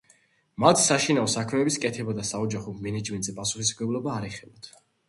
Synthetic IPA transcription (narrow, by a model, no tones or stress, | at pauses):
mat̪ʰsaʃinaɔsakʰmɛbiskʼɛt̪ʰɛbad̪asaɔd͡ʒaχɔmɛnɛd͡ʒmɛnt̪ʼzɛpʼasuχis̬mɡɛblˠɔbaːɾɛχɛbat̪ʰ